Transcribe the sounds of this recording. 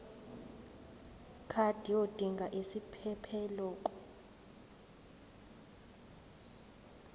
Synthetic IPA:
kʰad̥ʱiod̥ʱiŋɡʱaʔesipʰɛpʰɛlɔːkʼɔ̥

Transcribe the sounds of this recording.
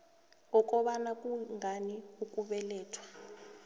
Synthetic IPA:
ŋɔk̬ʼɔɓanakʼuŋaniukʼuɓɛlɛːtʰwḁ

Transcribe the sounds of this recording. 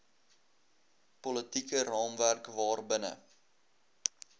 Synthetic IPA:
pɔlətikərɑːmværkvɑːrbənə̰

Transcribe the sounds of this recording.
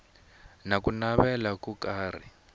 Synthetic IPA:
nakunaβɛlakukaːr̤i

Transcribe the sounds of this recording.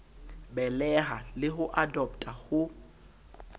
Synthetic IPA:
bɛlɛɦalɪɦʊʔadɔp̚tʼahʊ

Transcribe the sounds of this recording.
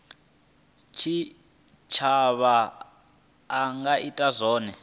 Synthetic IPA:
t͡ʃʰi | t͡ʃʰaβa | ŋɡaʔitʼazɔːnɛ

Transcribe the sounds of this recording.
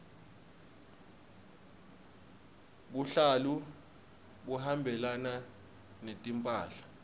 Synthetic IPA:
ɓuɬalu | ɓuhambʱɛlana | netʼimpʼaːɬḁ

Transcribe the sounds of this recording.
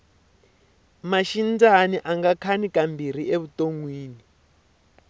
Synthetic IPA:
maʃind͡zaniʔaŋɡakʰanikambiɾ̤iʔeβutoŋwiːni

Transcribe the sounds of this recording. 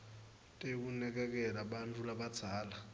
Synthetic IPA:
tʼekunɛk̬ɛk̬ʼɛɾaɓant͡fʰulaɓḁd͡zʰʱaːla

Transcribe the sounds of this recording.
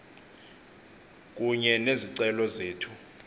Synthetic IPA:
k̬ʼuɲɛneziǀɛlɔzeːtʰu

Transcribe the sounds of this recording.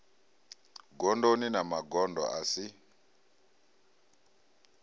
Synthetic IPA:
ɡɔndoninamaɡɔndɔ̰asi

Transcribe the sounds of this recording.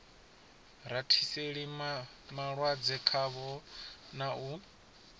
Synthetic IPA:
ɾatʰiseɺi | maɺwad͡zɛkʰaβɔnau

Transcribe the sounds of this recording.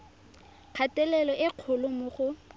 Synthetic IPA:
q͡χʰatɛlɛlɔʔɪq͡χʰʊlʊmʊχʊ

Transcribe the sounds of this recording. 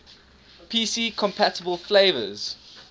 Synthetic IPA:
pʰiːsiːkʰɔ̃mpʰætəbəlˠfleɪvə̰z̥

